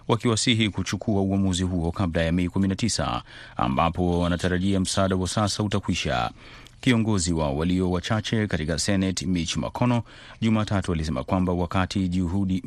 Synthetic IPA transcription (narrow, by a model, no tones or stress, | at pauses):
wakiwasiɦikut͡ʃukʰuauamuziɦuɔkablajamɛikuminatisa̰ | a̰mbapɔanataɾaʄiam̩saːɗawasasautakwiʃa̰ | kiɔŋɡɔziwawaliɔwat͡ʃat͡ʃɛkatikasɛnɛtmit͡ʃuma̰kʰɔnɔ | ʄumaːtatualis̬ɛma̰kwambawakatʰiʄuɦuɗi